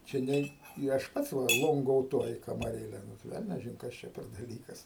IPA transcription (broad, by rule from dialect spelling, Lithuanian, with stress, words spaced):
t͡ʃʲɛ ˈnʲɛɪ ɪ ˈɐʃ ˈpɐts ˈʋɐ ˌlˠoːŋɡoːʊˈtuɔjɪ kɐmɐˈrʲeːlʲɛ ˈnʊ ˈʋʲɛlʲnʲɛʒʲɪn ˈkɐs t͡ʃʲɛ pʲɛr dɐˈlʲiːkɐs